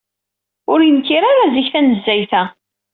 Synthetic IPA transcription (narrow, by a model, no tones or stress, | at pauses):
ʊɾjəmkiɾaɾaziçθænəzːæjθæ